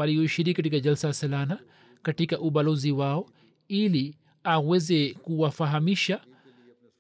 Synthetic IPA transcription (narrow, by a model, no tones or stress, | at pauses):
aliɔʃiɾikikatikaʄalsalasalana | katikaʔuɓalɔziwaɔ | ili | awɛzɛkuwafaɦamiʃa